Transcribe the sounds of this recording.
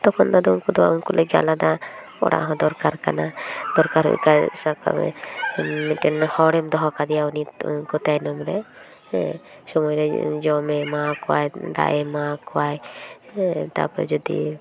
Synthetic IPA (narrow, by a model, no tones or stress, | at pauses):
t̪ɔkʰɔnd̪ad̪ɔunkɔd̪ɔa̰unkɔlʔeɡa̰lad̪a | ɔ̰ɽa̰ʔɦɔ̃d̪ɔɾkaɾkanad̪̥ɔɾkaɾɦṵkasaka̰ɛ̰ | miʈɛnhɔɽɛmd̪ɔɦɔkad̪ijauninkɔt̪ajnɔmɾɛ | sɔmɔjɾɛd͡ʒɔmɛmakɔa̰jd̪a̰ʔemakɔaj | t̪a̰pɔ̰d͡ʒɔd̪ḭ